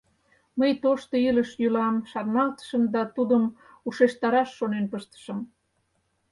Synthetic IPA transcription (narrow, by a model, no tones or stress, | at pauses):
məjt̪oʃt̪oiləʃjylɑmʃɑrnɑlt̪ə̥ʃəmd̪ɑt̪ud̪əm | uʃeʃt̪ɑɾɑʃːonenpəʃt̪ə̥ʃə̆m